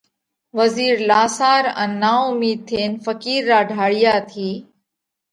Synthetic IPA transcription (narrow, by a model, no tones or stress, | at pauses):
ʋəziːɾlaːsaːɾə̰̃ːnːaːʊmiːd̪̚t̪ʰeːnfəkiːɾːaːɖʱaːɽɪjaːt̪ʰiː